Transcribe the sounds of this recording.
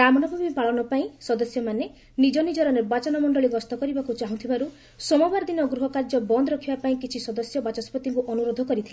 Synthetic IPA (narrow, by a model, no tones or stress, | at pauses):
ɾamɔnɔbʱabipaɭɔnɔpaĩsɔd̪ɔsjɔmane | nid͡ʒɔnid͡ʒɔɾɔneɾbat͡ʃɔnɔmɔɳɖɔɭiɡɔst̪ɔkɔɾibakut͡ʃaɦũt̪ʰibaɾu | sɔmɔbaɾd̪inɔɡɾuɦɔkaɾd͡ʒɔbɔnd̪ɔɾɔkʰibapaĩkit͡ʃʰisɔd̪ɔsjɔbat͡ʃɔspɔt̪iŋkuʔɔnuɾod̪ʱɔkɔɾit̪ʰile